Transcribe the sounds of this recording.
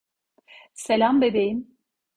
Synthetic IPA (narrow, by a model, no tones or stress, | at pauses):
selʲambebejim